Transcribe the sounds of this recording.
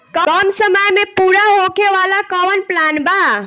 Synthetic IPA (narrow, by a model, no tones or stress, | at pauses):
kəkəmsəməjmepuɾaɦokeʋalakɔʋənplanba